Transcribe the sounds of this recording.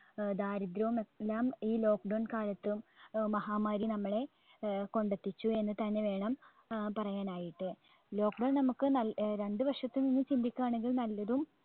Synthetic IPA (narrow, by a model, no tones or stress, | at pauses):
d̪aːɾid̪ɾɐʋumelːaːmiːlo̞ːk̚ɖɐwɳkaːlɐt̪ːumːɐɦaːmaːɾinɐmːɐɭe̞ | ko̞ɳɖɐt̪ːit͡ɕːue̞nːɨt̪ɐnːeʋe̞ːɳɐm | pɐrɐjaːnaːjiʈːɨ | lo̞ːkɖɐwnnɐmukːɨnɐɾe̞ɳɖɨʋɐrʂɐt̪ːuninːut͡ɕind̪ikʲːuaːɳeŋɡiɭnɐlːɐðum